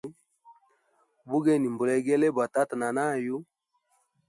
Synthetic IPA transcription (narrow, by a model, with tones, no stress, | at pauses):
bu˦ɡe˦˨ni˨mbu˨lɛ˨˦ɡɛ˦le˦ba˨ta˦tna˨na˦˨ju˦